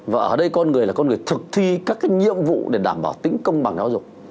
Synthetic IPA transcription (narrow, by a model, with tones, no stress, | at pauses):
vaː˨˩ʔəː˧˩ɗə˧jkɔ˧nŋɨ˨˩əlaː˨˩kɔ˧nŋɨ˨˩əjt̪ʰɨ˨˩k̚t̪ʰi˧kaː˦˥k̚ːaː˨˦jɲḭ˧˨əmvṵ˧˨ɗe˧˩ɗaː˧˩mɓaː˧˩wt̪ï˨˦ŋ̟kə˧wŋ͡mɓa˨˩ŋzaː˨˦wzʊ˨˩k͡p̚